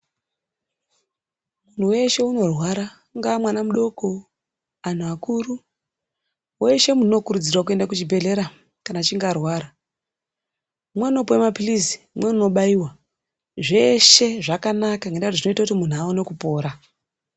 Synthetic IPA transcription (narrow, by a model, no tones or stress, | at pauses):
mun̤uwe̞ʃe̞uno̞rwaɾa | ŋɡamwanamuɗo̞ko̞ | an̤uakuru | weʃe̞muno̞kuɾud͡zirwak̬ue̞ndakut͡ʃibʱe̞ɮe̞ɾa | kanat͡ʃiŋɡarwaːɾa | mweno̞powemapilisi̥ | mwe̞uno̞ɓaiwa | ʐe̞ʃe̞ʐakanakaiŋɡendautiʐino̞itakutimun̤uaonekupo̞ːɾa